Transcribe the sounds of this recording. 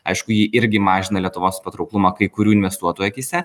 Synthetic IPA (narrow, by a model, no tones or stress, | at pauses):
ɐɪʃkʊjɪʔɪɾʲɡʲɪmɑːʒʲɪnɐlʲiɛt̪ʊʋoːspɐt̪ɾɔʊklˠʊmɑːkɐɪkʊɾʲuːɪnʲʋʲɛst̪uɔt̪oːjkʲɪsʲɛ